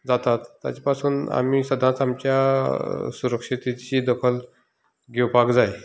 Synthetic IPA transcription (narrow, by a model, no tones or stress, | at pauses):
d͡zat̪at̪ːja̰t͡ɕapasuːna̰m̤iːsəd̪ʱat͡samt͡ɕja | suɾəkʂit̪it͡ɕiːd̪əkʰəl | ɡewpakd͡zaj